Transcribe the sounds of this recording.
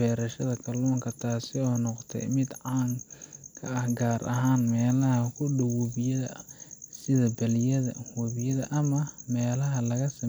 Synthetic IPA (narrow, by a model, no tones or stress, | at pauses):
ɛːɾɐʃɐðɐkʰɐlɔːŋkʰɐt̪ʰaːsɪɔːnɔqt̪ʰɛ̰mɪd̪ʕɑːmkʰɐɐhɡaːɾʔɐ̰ɦaːnmɛːlɐɦɐkʰʊɖʊwʊβɪjɐðɐ̰sɪðɐbɐlɪjɐðɐ̰hɔβɪjɐðɐʔɐmɐmɛːlɐɦɐlɐɣɐsɐ